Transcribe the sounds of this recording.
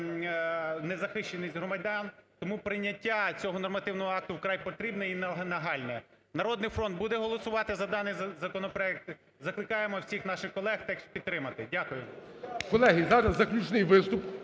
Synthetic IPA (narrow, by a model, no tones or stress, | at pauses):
nɛzɐxɪʃt͡ʃenɪsʲɦɾɔmɐdʲɑnt̪ɔmupɾɪnʲːɐtʲːat͡sʲɔɦɔnɔrmɐt̪ɪwnɔɦɔɑk̚t̪ʊwkɾɑjpɔt̪ɾʲibnɛinnɐɦɑlʲnɛ | nɐɾɔd̪nɪjfɾɔnd̪̚bud̪ɛɦɔlˠɔsʊʋɑt̪ɪzɐd̪ɑnɪjzzɐkɔnɔpɾɔɛk̚t̪ | zɐklˠɪkɑjemɔwsʲixnɑʃɪxkɔlˠɛxt̪ɛkʃpʲid̪̚t̪ɾɪmɐt̪ɪdʲakʊjʊkɔlˠɛɦʲizɑnɐzːɐklʲut͡ʃnɪjʋɪst̪ʊp